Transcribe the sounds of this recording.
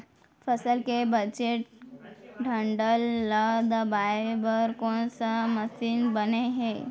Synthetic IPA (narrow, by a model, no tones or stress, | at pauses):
fəsəlkebəd͡ʑeʈ̚ | ɖʱəɳɖəlːad̪əbajebəɾkoɳsaməsiːnbəneɦe